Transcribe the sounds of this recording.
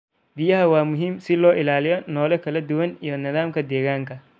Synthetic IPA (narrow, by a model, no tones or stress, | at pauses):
bɪjɐɦɐwɑaːmʊɦiːmsɪlɔːʔɪlaːlɪjɔnɔːlɛkʰɐlɐd̪ʊwɐnijɔnɪðaːmkʰɐd̪ɛːɣaːŋkʰɐ